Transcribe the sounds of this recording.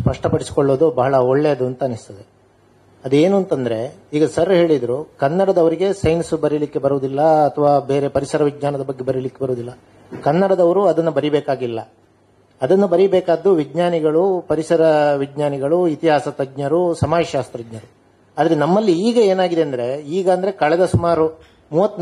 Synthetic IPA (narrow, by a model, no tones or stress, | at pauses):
spɐʂʈɐpɐɽisi̥koɭːoːd̪ubɐɦɐɭɐɔɭːeɐd̪uɐnt̪ɐːnist̪ɐd̪e̞ | ɐd̪e̞ːnuɐnt̪ɐnd̪ɐɾe̞iːɡɐsɐrɦe̞ːɭid̪ɐɾukɐnːɐɽɐd̪ɐʋɐɾiɡe̞sɐjnsubɐɾilikːe̞bɐɾuʋd̪ilːɐɐt̪ʰɐʋaːbe̞ːɾe̞pɐɾisɐɾɐʋid͡ʒɲaːnɐd̪ɐbɐɡːebɐɾilikːe̞bɐɾuːd̪ilːɐ | kɐnːɐɽɐd̪ɐʋɐɾuɐd̪ɐnːubɐɾibɛːkaːɡilːɐ̰ | ɐd̪ɐnːubɐɾibɛːkaːd̪ːuʋid͡ʒɲaːniɡɐɭupɐɾisɐɾɐʋid͡ʒɲaːniɡɐɭuit̪iɦaːsɐt̪ɐɡɲɐɾusɐmaːjʃaːst̪ɾɐɡɲɐɾu | aːd̪ɐɾe̞nɐmːɐlːiːɡɐe̞ːnaːɡid̪eɐnd̪ɐɾe̞iːɡɐːnd̪ɐɾe̞kɐɭɛd̪ɐsumaːɾu | muːʋɐt̪ː